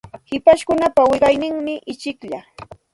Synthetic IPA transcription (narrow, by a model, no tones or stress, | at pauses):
hɪpaʃkʊnapawɪɢɑjnɪŋmɪʔɪt͡ʃɪkʎa